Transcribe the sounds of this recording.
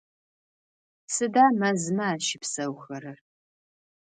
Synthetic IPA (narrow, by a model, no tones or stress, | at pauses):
sɨdaːmɐzɨmɐaːʃɪpsɐwxɐɾɨr